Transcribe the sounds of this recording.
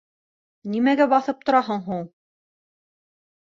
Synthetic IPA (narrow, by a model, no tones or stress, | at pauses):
nimæɡæbɑθɤp̚t̪ŏɾɑɦɤɴɦuɴ